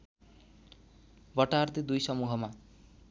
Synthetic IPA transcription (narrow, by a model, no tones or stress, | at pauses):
bʌʈart̪id̪ujsʌmuɦʌma